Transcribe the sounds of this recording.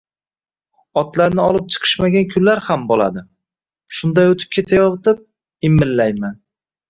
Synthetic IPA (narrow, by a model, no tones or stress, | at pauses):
ɒt̪laɾnɪɒlˠɪp̚t͡ʃʰɨ̥qʰɨ̥ʃmaɡʲankʲʰʊlːaɾhambɒlˠa̰d̪ɪ | ʃʊnd̪ajot̪ʰɪ̥p̚kʲʰe̞t̪ʰajɒvt̪ʰɪp̚ | ɪmːɪlːajman